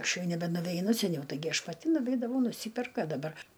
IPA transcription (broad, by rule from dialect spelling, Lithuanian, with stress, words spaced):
ˈɐʃ ˈjɛʊ nʲɛbʲɛnʊʋʲɛɪˈnʊ sʲɛˈnʲɛʊ tɐɪˈɡʲɪ ˈɐʃ pɐˈtʲɪ nʊˈʋʲɛɪdɐʋɐʊ nʊˈsʲiːpʲɛrk ɐ dɐˈbɐr